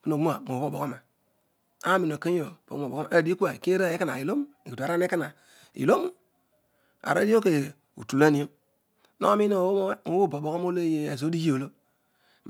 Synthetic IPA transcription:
ki˦no˨˦o˦a˨mo˨˦bo˨bo˨ko˦ma˨ | a˦mi˨no˨ke˦o˨po̰˨˦o˨bo˨kma˨a˨di˦ku˦a˨ke˦ɾa˦˨˦ka˦na̰˨i˨lo˦m˦e˨ki˨a˨ɾa˦ne˦ka˦na˨ | ḭ˨lo˦m˦ | a̰˨ɾa̰˦di˦o˦ke˨ | ṵ˨tu˨la˦ni˨o˦m | no̰˦mi˦no˦o˨˦bo˦˨bo˨bo˨ko˦mo˦le˦je˦e˨zo˦di˦d͡ʒi˦o˨lo˦

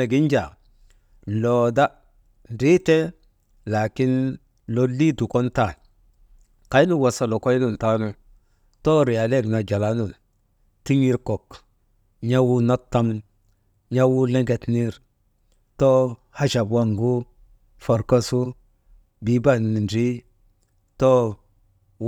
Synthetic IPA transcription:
e˨ɡi˦n˦d͡ʒa˨ | lo˨da˦ | n˨ɾi˦te˦ | la˨ki˦n | lo˦li˦du˨ko˦nta˦˨n | ka˨˦jnu˦wa˨sa˨lo˨ko˦jnu˦˨n˨ta˦nu˦ | to˦ɾi˨ja˨le˦˨ɡna˨d͡ʒa˨la˦nu˨n | ti˦ɲi˦ɾko˨k | ɲa˦wu˦na˦tːa˦m | ɲa˦wu˦le˦ŋɡe˨tni˦ɾ | to˦ | ha˦ʃa˨bwa˦ŋɡu˦ | fo˨ɾka˦su˦ | bi˨˦ba˦nu˨n˨n˨di˦ | to˦

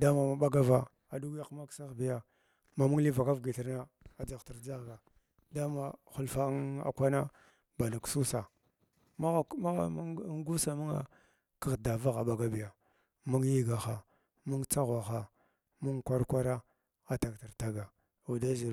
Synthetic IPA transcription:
da˦ma˨ma˨ɓa˦ɡa˦va˨ | a˨du˦ɡja˦kma˦ksa˦xbi˨ja˦ | ma˨mu˦ŋli˦va˨ka˦vɡi˨ɬi˦ɾna˦a˨d͡za˨ɣti˨ɾd͡za˦˨ɡa˨ | da˦ma˨xu˨lfa˨˦ŋa̰˨kʷa˦na˦ | ba˨na˨ksu˦sa˨ | ma˦˨ma˦˨˦ŋ˦ɡu˦sa˨mu˦ŋa̰˨ | kə˨ɣda˨va˦ɣa˨ɓa˨ɡa˦bi˨ja˨ | mu˦ŋji˦ɡa˨xa˨ | mu˦ŋt͡sa˦ɣwa˨xa˨ | mu˦ŋkʷa˦ɾkʷa˦ɾa˦ | a˨ta˨kti˨ɾta˦ɡa˨ | u˨da˦zi˨

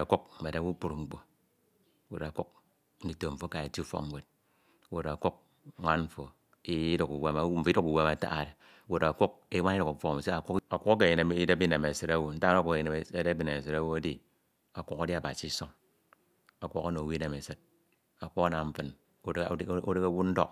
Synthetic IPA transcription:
a˨ku˦k̩̚˨e˨da˨˦wu˦k͡pu˦˨ɾŋ͡m̩˦k͡po˨˦ | wo˨ɾa˨ku˦k̚ | n̩˦di˨to˨ɱ̩˨fo˦ka˨e˨ti˦fo̰˦m̩˦we˨t̚ | wo˨ɾa˨ku˦k̚ | ŋʷa˦nm̩˦fo˨ | i˦du˨ku˨we˦m˦m̩˨fi˦du˦ku˨we˦ma˨ta̰˦a̰˨de˨˦ | wo˨ɾa˨ku˦k̚e˦wa˦ni˦ɾu˨ku˨fo˦˨se˦a˨kʷu˦ka˨kʷu˦o˦k̬e˨i˨ne˨m˦i˦de˦bi˦ne˨me˨se˨ɾa˦wo˨n̩˦ta˦no˦ku˦ke˦de˦bi˨ne˨se˨ɾa˦wo˦a˦di˦ | a˨kʷu˦ka˦di˦a˨ba˨si˦i˦so˦ŋ | a˨ko˦ka˦no˨wi˦ne˨me˨se˦t̚ | a˨kʷu˦a˦na˨m̩˦fɨ˨n˦ | o˦ɾe˦ka˦wu˦n̩˦do̰˦k

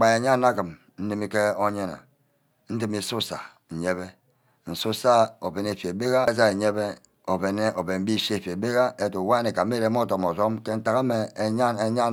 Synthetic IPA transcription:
k͡pa˨e˨ɲa˦na˦ki˨m | n̩˦ni˦mi˦ke˦o˦ɲe˦na̰˨ | n̩˦ti˦mi˦su˦sa˨ | ɲe˦βe˦ | n̩˨su˦sa˦o˨be˨ne˨fje˨be˦ɣa˦za˦e˨ɲe˦be˦ | o˨be˨ne˦o˨be˨nm̩˦bi˦˨ʃe˦e˨fe˨be˦ɣa˦e˦to˨wa˦ne˨ka˨˦e˦ɾe˨˦m˦o˦˨to˨mo˨zo˦mke˦n̩˦ta˨ka˦me˨e˨ɲa˦ne˨ɲa˦

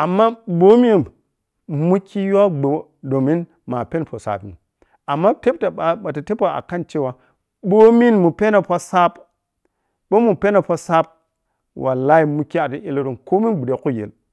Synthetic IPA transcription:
a˨mːa˦bo˦mi˦˨m | mu˦kʰːi˦ja˦ɡ͡bo˨ | do˨mi˦n | ma˨pe˦npo˨sa̰˨pḭ˨n | a˨mːa˦te˦p̚ta˨ɓa˨ɓa˨ta˨te˦po˨a̰˨ka˦nt͡ʃe˦wa˦ | bo˦mi˦nmu˨pe˦na˨pa˦sa˦p | ɓo˦mu˨pe˦na˨po˦sa˦p̚ | wʔa̰˨la˦i˦mu˦kːi˦a˨ti˦ʔe˦lo˦˨tu˨nko˦mi˦ɡ͡bu˨de˨ku˦˨jḛ˨l

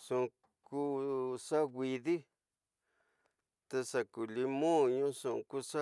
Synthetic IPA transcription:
sũ˧ | ku˦sa˦ɣʷi˧ði˦ | t̪e˧sa˧ku˨li˧mõ˦ɲũ˦sũ˧ʔku˦sa˦

